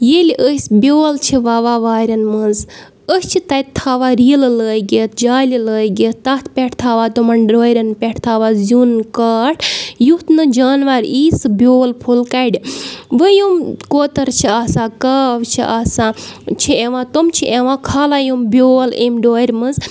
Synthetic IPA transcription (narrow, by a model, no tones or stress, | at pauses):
jeliʔəsbʲjoːlt͡ʃʰiʋaːʋaːʋaːɾʲɐnmɨnz | əst͡ʃʰit̪ɐjt̪ʰaːʋaːɾiːlɨləːjɡet̪̚d͡ʒaːliləːjɡet̪t̪ɐt̪ʰpʲeʈʰt̪ʰaːʋaːt̪omɐnɖoːɾʲɐnpʲeʈʰt̪ʰaːʋaːzʲunkaːʈʰjut̪nɨd͡ʒaːnʋaɾiːsɨbʲjoːlpʰulkaɖiʋəjumkoːt̪ɐɾt͡ʃʰiaːsãːkaːʋt͡ʃʰḭʔaːsãːt͡ʃʰieʋãːt̪omt͡ʃʰiʔeʋãːkʰaːlaːjumbʲoːlemɖoːɾʲmɨnz